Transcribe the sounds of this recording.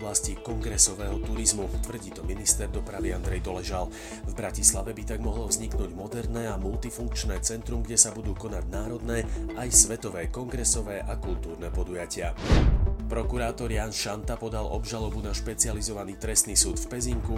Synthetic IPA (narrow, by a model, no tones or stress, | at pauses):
blascikɔŋɡɾɛsɔʋɛːɦɔt̪uɾizmut̪ʋr̩ɟiːt̪ɔminist̪ɛɾd̪ɔpɾaʋiand̪ɾɛjd̪ɔlɛʒal | vbɾacislaʋɛbit̪aɡmɔɦlɔvzɲiknuːɟmɔd̪ɛɾnɛːamult̪ifuŋk̚t͡ʃnɛːt͡sɛnt̪ɾumɡɟɛsabud̪uːkɔnaɟnaːɾɔd̪nɛːajsʋɛt̪ɔʋɛːkɔŋɡɾɛsɔʋɛːʔakult̪uːɾnɛpɔd̪ujacɪa | pɾɔkuɾaːt̪ɔɾjanʃant̪apɔd̪alɔbʒalɔbunaʃpɛt͡sializɔʋaniːt̪ɾɛst̪niːsuːt̪fpɛziŋku